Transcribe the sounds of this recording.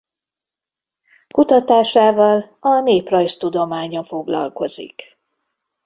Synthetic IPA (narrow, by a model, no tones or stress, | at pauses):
kut̪ɒt̪aːʃaːvɒlɒneːprɒjst̪ud̪o̞maːɲɒfo̞ɡlɒ̰lko̞zḭk